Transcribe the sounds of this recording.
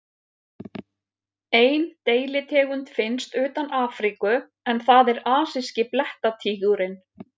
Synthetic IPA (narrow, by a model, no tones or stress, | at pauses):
eːjnt̪eːjlɪt̪ʰɛːɣʏnt̪fɪnst̪ʏːt̪anaːfɾikʏ | ɛnθaðɛɾaːsɪscɪplɛht̪at̪ʰiːɣuɾɪn